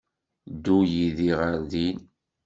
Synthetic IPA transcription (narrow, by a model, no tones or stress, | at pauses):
d̪ːujiðiʁəɾðin